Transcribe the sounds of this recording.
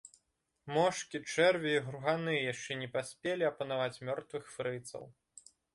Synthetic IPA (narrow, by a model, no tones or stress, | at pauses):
mɔʂkʲit͡ʂɛrvʲɐiɣɾuɣanɨjɛjaʂt͡ʂɛnʲɛpasʲpʲelʲiɐpɐnavat͡sʲmʲɔrt̪vɨxfɾɨt̪sɐ̰w